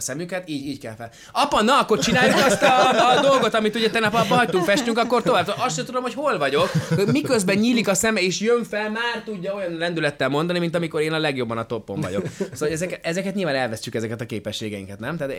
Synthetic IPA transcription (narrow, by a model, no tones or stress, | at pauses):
sɛmykɛt̪iːɟiːckɛlfɛl | ɒpɒnːɒɒkːo̞rt͡ʃinaːjukɒst̪ɒd̪o̞lɡot̪ɒmit̪uɟɛt̪ɛnɛpɒbbːɒɦɒct̪uŋkfɛʃt̪yŋkɒkːo̞rt̪o̞vaːb̚t̪oʔɒst̪ʃɛt̪ud̪o̞mho̞cho̞lvɒɟo̞khomikøzbɛɲɲiːlikɒsɛmɛeːʃjøɱfɛlmaːrt̪uɟːɒo̞jɒnlɛnd̪ylɛt̪ːɛlmo̞nd̪ɒnimint̪ɒmiko̞ɾeːnɒlɛɡjo̞bːɒnɒt̪o̞pːo̞ɱvɒ̰ɟo̞ksoaloɛzɛkɛɛzɛkɛt̪ɲilvaːnɛlvɛscykɛzɛkɛt̪ɒkeːpɛʃːeːɡɛjḭŋkɛt̪nɛmt̪at̪